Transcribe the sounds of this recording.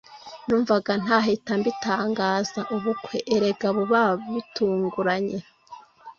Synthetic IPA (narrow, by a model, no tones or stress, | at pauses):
nuːɱvaɡan̥haːɦetambitaːŋɡaːzaʔuβukweʔeɾe̞ɡaβuβaːββituːŋɡuɾaɲe̞